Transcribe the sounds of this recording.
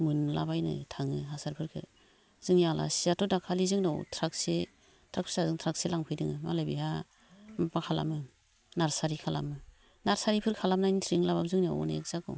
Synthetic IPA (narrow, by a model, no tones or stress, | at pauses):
mɯnla̰bajnɯ̰tʰaŋɯɦasaɾpʰɯɾkʰɯ̰ | z̥ɯŋjala̰siatɔdakʰalizɯŋnɔwtʰɾakse | tʰɾak̚pʰsazɯŋtʰɾakselaŋpʰɯjdɯŋɯmalabiha | mapakʰala̰mɯ | naɾsaɾikʰala̰mɯ | naɾsaɾipʰɯɾkʰalamnajnitʰɾiŋlabap̚zɯŋniɔ̰w̰naek̚zakɔ̰